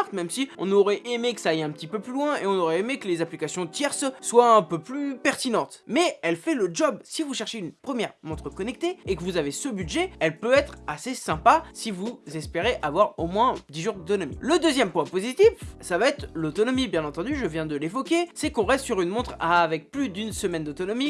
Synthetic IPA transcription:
ʁt̪mɛmsiɔ̰̃nɔʁɛʔemekə̥saːjɛ̃pət̪ipøplylwɛ̃eɔ̃noʁɛemekəlezaplikasjɔ̃t̪jɛʁsəswaɛ̃pøplypɛʁt̪inɑ̃t̪mɛɛlfɛləd͡ʒɔbsivuʃɛʁʃeynpχəmjɛʁmɔ̃t̪χəkɔnɛk̚t̪eekəvuzavesəbyd̪ʒɛɛlpøɛt̪χasesɛ̃pasivuzɛspeʁeʔavwaʁomwɛ̃d̪iʒuʁd̪ot̪ɔnɔmḭləd̪øzjɛmpwɛ̃pozit̪ifsavaɛt̪χlot̪ɔnɔmibjɛ̃nɑ̃t̪ɑ̃d̪yʒəvjɛ̃d̪əlevɔkʲesɛkɔ̃ʁɛst̪syʁynmɔ̃t̪χaːvɛk̚plyd̪ynsəmɛnd̪ot̪ɔnɔmi

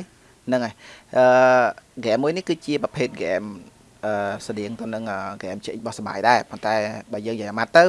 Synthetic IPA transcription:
nɨŋaʔəːɡɛːmːuəjnihkɨːt͡ɕiəprɑpʰeːt̪̚ɡɛ̰m | ʔəːsaɗiəŋt̪ɨ̆nɨŋʔəːɡɛːmt͡ɕeʔc̚ɓɑhsɑɓa̰ːjɗaɛpont̪aɛɓaːjəːŋjajʔamat̪ːɨw

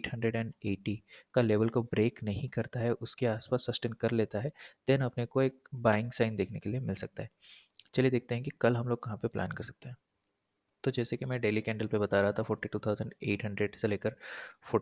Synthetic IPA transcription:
ʈɦɐ̃ɳɖɾeɖɛ̃ːɳɖeːʈikaleːʋəlkobɾeːknɐɦĩkɐɾt̪aɦɛʔʊskeaːspaːsːɐsʈẽːnɖkɐɾleːt̪aɦɛt̪eːnɐpnekoeːk̚baːɪ̃ŋɡsaːɪnd̪eːkʰnekeliemɪlsɐk̚t̪aɦɛː | t͡ʃɐlied̪eːk̚t̪eɦɛ̃kikɐlɦɐ̃mloːɡkɐɦãpeplʔa̰ːnkɐɾsɐ̥k̚t̪eɦɛ̃ː | t̪od͡ʒɛːsekimɛ̃ːɖeːlikɛ̃ːɳɖəlpebɐt̪aɾɐɦat̪ʰafoːɾʈiʈuːt̪ʰaːʊzə̃ɳɖeːʈɦɐ̃ɳɖɾeɖseleːkəɾfoː

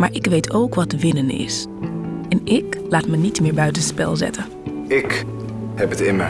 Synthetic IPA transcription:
maːɹʔɪkʋejtʰowkʋɑtʋɪnənɪ̰s | ɛnɪklaːtmənitmɪːɹbœɥtənspɛ̰lˠzɛ̰tə | ɪk | hɛpətɪmə

